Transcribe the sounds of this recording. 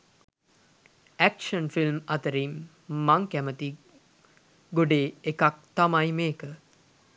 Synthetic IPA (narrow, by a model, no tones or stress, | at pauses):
ækʃənfilmat̪əɾimː | aŋkæmət̪i | ɡoɖeːekak̚t̪amajmeːkə